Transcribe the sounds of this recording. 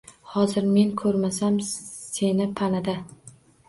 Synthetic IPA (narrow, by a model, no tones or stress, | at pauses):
hɒzɪɾme̞ŋkʰɵɾmasamse̞nɪpʰanad̪a